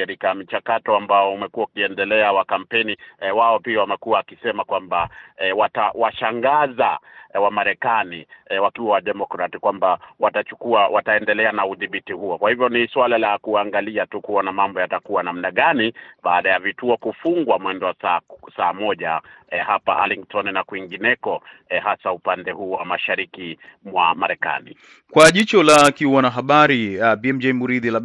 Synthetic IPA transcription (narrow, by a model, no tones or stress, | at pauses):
kaɾikamit͡ʃakatɔambaɔumɛkuwaukiɛndɛlɛawakam̩pɛniwaɔpiawamɛkuaakisɛmakwambawatawaʃaŋɡazawamaɾɛkaniwakiwawaɗɛmɔkɾatikwambawatat͡ʃukuawʔataɛndɛlɛanauðiɓitihuɔkwahivjɔniswalalakuaŋɡaliatukuɔnamambɔjatakuwanamnaɠaniɓaːɗajavituɔkufuŋɡwamwɛndɔwasasaːmɔʄaɛhapaʔa̰liŋtʰɔnnakwiŋɡinɛkɔhasaupandɛhuːwamaʃaɾikimwamaɾɛka̰nḭ | kwaʄit͡ʃɔlakiwanaɦaɓaɾibiɛmd͡ʒɛjmuɾiðila